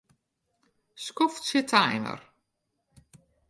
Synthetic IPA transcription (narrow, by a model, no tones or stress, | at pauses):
skɔftsjətʰajnə̰r